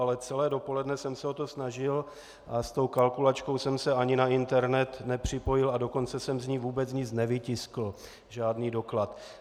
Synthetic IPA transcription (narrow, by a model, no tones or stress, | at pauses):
alɛt͡sɛlɛːdo̞po̞lɛdnɛsɛmsɛo̞t̪o̞snaʒɪl | ʔast̪o̞wkalkulat͡ʃko̞wsɛmsɛaɲɪnaɪnt̪ɛɾnɛt̪nɛpr̝̥ɪpo̞jɪlado̞ko̞nt͡sɛsɛmzɲiːvuːbɛt͡sɲɪt͡snɛvɪcɪskl̩ | ʒaːdniːdo̞klat̪